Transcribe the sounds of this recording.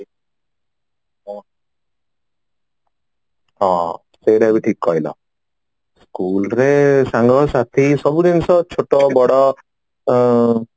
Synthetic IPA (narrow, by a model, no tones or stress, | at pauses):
ɔ̃ | ɦɔ̰̃ | sejɾeabiʈʰikːɔɦilɔ̰ | skulɾesaŋɡʱɔsat̪ʰisɔbud̪inɔsɔt͡ʃʰoʈɔbɔɽɔ